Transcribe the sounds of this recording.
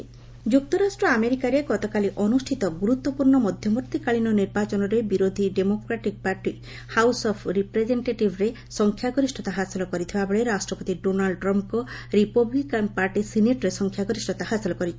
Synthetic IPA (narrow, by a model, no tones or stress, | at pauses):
d͡ʒuk̚t̪ɔɾasʈɾɔameɾikaɾeɡɔt̪ɔkaliʔɔnusʈʰit̪ɔɡuɾut̪wɔpuɾɳɔmɔd̪ʱjɔmuɾt̪ikaɭinɔniɾbat͡ʃɔnɔɾebiɾod̪ʱiɖemokɾaʈik̚paɾʈi | hawsɔpʰɾipɾed͡ʒeɳʈeʈibʱɾe | sɔŋkʰjaɡɔɾisʈʰɔt̪aɦasilɔkɔɾit̪ʰibabeɭeɾasʈɾɔpɔt̪iɖonalɖʈɾɔmpkɔɾipɔblikanpaɾʈisineʈɔɾesɔŋkʰjaɡɔɾisʈʰɔt̪ahasilɔkɔɾit͡ʃʰi